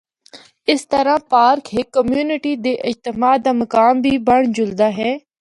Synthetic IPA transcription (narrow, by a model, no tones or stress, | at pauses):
ɪst̪əɾãːpaːɾkɦɪkːəmjuːnɪʈiːd̪eːʔɪd͡ʒt̪əmaːd̪aːmɐkaːmbʱiːbəɳd͡ʒʊld̪aːɦɛː